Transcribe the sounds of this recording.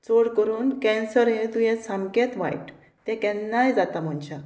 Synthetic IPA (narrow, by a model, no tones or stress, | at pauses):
t͡soɽkəɾuːnkɛ̃nsəɾɦet̪ũjɛsãmkẽt̪ʋa̰jʈ | t̪ɛ̃kɛ̃nːajd͡zat̪am̤ɔnt͡ɕa